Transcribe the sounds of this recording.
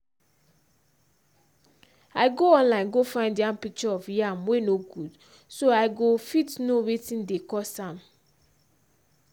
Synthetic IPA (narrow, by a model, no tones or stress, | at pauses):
aɪɡoɔ̃nlãɪ̃nɡofãɪ̃ndiãmpik̚t͡ʃɔɔfjamwenoɡud̥ | soaɪɡofitnowetĩndekɔsãm